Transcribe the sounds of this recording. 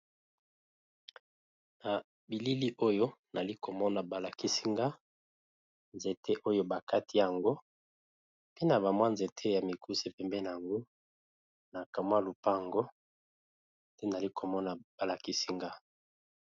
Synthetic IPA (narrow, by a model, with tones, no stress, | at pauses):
na˨ | bi˨li˦li˦ʔo˦jo˦na˨li˦ko˨mɔ˦na˨ba˨la˨ki˦si˦ŋɡa˦ | nze˨tʰe˦ʔo˦jo˦ba˨ka˦tʰi˦ja˨ŋɡo˦ | pe˦na˨ba˨mwa˦nze˨tʰe˦ja˨mi˨kʰu˦se˦pɛ˨mbɛ˦na˨a˨ŋɡo˦ | na˨ka˨mwa˦lu˨pa˦˨ŋɡo˦ | te˦na˨li˦kʰo˨mɔ˦na˨ba˨la˨ki˦si˦ŋɡa˦